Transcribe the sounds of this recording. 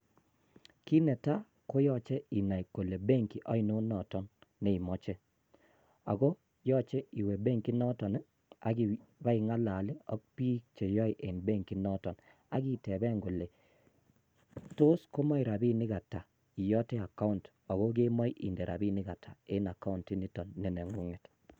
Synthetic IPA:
ki˦nɛ˨ta˦ | ko˦jɔ˦t͡ʃɛ˦i˨na˨i˨ko˨le˨be˦ŋki˨ʔɔ˦i˦no˦nɔ˨tɔ˦nːe˨i˨mɔ˦t͡ʃe˦ | a̰˨ɡo˦ | jɔ˦t͡ʃe˦i˨we˨be˦ŋki˦nɔ˦tɔ˨nɛ˦ | a̰˨ɡi˦ba˦ɪ˨ŋa˦la˨lɪ˦ɔ̰˦k̚pi˦t͡ʃe˨jɔ˦jʔe˨nbe˦ŋki˦nɔ˦tɔ˨n | a˦ɡi˦tɛ˨bɛ˦ŋɡo˨le˨ | to˦sko˦mɔ˦i˨ɾa˨bi˦nɪ˦ɣa˨ta˨ | i˨jɔ˦te˦a˨ka˦u˦nt | ɔ˨ɣo˦ɡe˦mɔ˦i˦ʔḭ˨nde˨ɾʔa̰˨bi˦nɪ˦ɡa˨tʰa˨e˦na˨ka˦u˦nti˦ni˦tɔ˨nːɛ˨nɛ˨ŋu˦ŋe˨t

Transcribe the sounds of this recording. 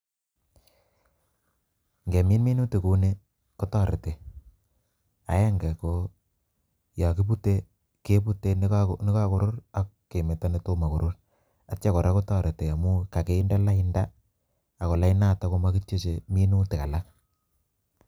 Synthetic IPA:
ŋɡe˨mi˦nmi˦nu˦ti˨ku˦ne˦ | ko˦tɔ˦ɾḛ˨te˨ | a̰˨˦jɛ˦ŋɡɛ˨ko˦ | ja˨ki˦p̬u˦te˦ | ke˦pu˦te˨˦nɪ˦ka˦kʊ˨ɾʊ˦ɾa˦kːe˨me˨ta˦ne˦to˦ma˨ku˨ɾʊ˦ɾ | at͡ʃa˦kɔ˨ɾa˦ko˦tɔ˦˨ɾe˨te˨a˨mʊ˦ka˨ke˨ɪ˦nda˦la˦ɪ˦ndaː˦˨ | kɔ˨la˦ɪ˦naː˦˨ta˦ko˦ma˦ki˦t͡ʃe˦t͡ʃe˨mi˦nu˦ti˨ka˨la˦k̚

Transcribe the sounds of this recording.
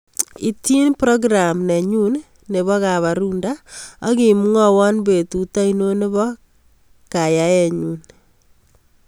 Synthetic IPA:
i˦ti˦npɾɔ˦ɡɾa˨mnɛ˨ɲu˦nː | e˨βɔ˦ka˨βa˨ɾu˦nda˦a̰˦ki˨mu˦ŋɔ˦wɔ˦nbe˨tu˨ta˦ino˦ne˦βɔ˦ | ka˨ja˦jɛ˨ɲu˦n

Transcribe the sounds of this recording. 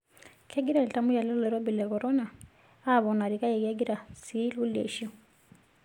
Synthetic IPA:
kʰɛ˦ɡi˦ɾa˨lta˦mu˦ja˨lɛ˦lɛ˨ɾɔ˦bi˨lɛ˨kɔ˨ɾɔ˦na˨ | a˦˨βɔ˨na˨ɾi˨ka˦jɛ˨kɛ˦ɡi˦ɾa˨si˦lu˦ljḛ˨ʃi˦ɔ˨

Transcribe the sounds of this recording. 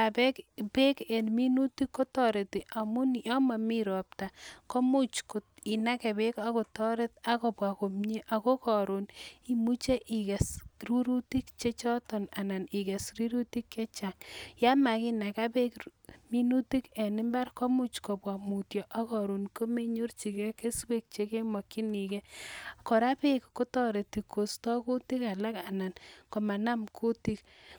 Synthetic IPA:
a˨be˦kpe˦ke˨nmi˦nu˦ti˦kːo˦tɔ˨ɾe˨ti˨ʔa˨mu˦njɔ˦ma˨mi˦ɾɔ˨p̚ta˨kɔ˦mu˦t͡ʃko˨i˨na˦ke˨be˦ka˦ko˨tɔ˦ɾe˦ta˦ko˨pwa˨ko˨mɲe˦ʔa˨ko˦kɔ˨ɾu˨ni˨mu˦t͡ʃe˦ʔi˨ke˨sru˦ɾu˦ti˦k̚t͡ʃe˦t͡ʃɔ˦tɔ˨na˨na˨ni˨ke˨sri˦ɾu˦ti˦kːe˦t͡ʃa˨ŋja˦ma˨ki˦na˨ka˦pe˦kmi˦nu˦ti˦ke˨nɪ˦mba˦rkɔ˦mu˦t͡ʃkɔ˨pwa˨mu˨tjɔ˨ʔa˦kɔ˨ɾu˨nko˦me˦ɲo˦rt͡ʃi˨ke˦ke˦swe˦k̚t͡ʃe˦ke˦mwa˨ki˦ni˨ke˦kɔ˨ɾa˦pe˦kko˦tɔ˦ɾe˨ti˨kːo˨stɔ˦ku˦ti˦ka˨la˦ka˨na˨nko˨ma˨na˦mkʰu˦ti˦k

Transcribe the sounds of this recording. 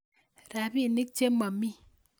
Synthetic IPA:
ɾa˨bi˦˨ni˦k̚t͡ʃe˦mɔ˨mi˦

